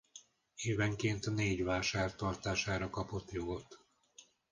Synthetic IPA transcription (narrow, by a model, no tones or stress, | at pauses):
eːvɛŋkeːnt̪neːɟʋaːʃaːrt̪ɒrt̪aːʃaːɾɒkɒpo̞t̪jo̞ɡo̞t̪